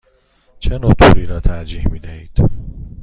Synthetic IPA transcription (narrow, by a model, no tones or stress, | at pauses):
t͡ʃʰenot̪ʰṵːɾiːɾɒːt̪ʰæɾd͡ʒiːhmiːd̪ehiːd̪̥